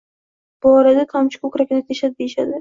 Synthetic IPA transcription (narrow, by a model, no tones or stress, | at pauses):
b̥ʊɒɾad̪at̪ʰamt͡ʃʰɪ̥kʰokʲɾakʲɪnat̪ʰeʃad̪̚d̪ejɪʃad̪ɪ